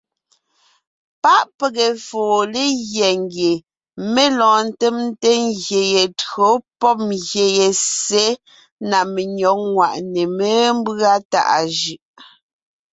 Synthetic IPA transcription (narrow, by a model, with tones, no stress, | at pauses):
pa˦ʔpe˨ɣe˨foː˨le˦ɣjɛ˨ŋɡje˨ | me˦lɔ̃ː˨n̩˦te˦mn˦te˦ŋɣje˨je˨tɰo˨˦pɔ˦p̚mɣje˨je˨se˦ | na˨me˨ɲɔ˨˦k̚ŋwa˨ʔne˨me˦m˦ba˦ta̰˨ʔa̰˨ʒɯ˨ʔ